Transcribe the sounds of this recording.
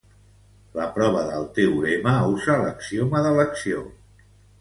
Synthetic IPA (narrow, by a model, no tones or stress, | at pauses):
ləpɾɔβ̞əðəlˠt̪ewuɾeməuzaləksioməðələksio